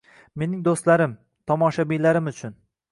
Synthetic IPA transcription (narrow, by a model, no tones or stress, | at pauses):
me̞nɪŋd̪ost̪laɾɪm | t̪ʰɒmɒʃabijlaɾɪmʊt͡ʃʰʊn